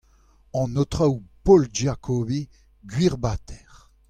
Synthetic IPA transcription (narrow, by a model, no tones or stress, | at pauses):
ɑ̃not̪ʁawpold͡ʒakʰovi | ɡɥiʁbat̪ʰɛʁ